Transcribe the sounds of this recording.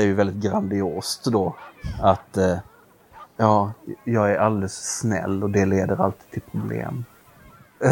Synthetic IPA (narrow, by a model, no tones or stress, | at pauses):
æɾjɵvɛld̪ɪt̪̚ɡɾand̪ɪoːst̪d̪oat̪ | jɑːjɑːɡæɾʔald̪ɛlssnɛ̰lːɔd̪ɛleːd̪əɾa̰lt̪iːd̪̚t̪ʰɪlpʰɾʊblḛːm